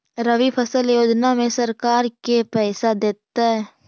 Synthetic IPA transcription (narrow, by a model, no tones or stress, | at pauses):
ɾəʋipʰəsəljoːd͡ʒnamẽsəɾkaːɾkepɛːsad̪eːt̪ːaɦɛː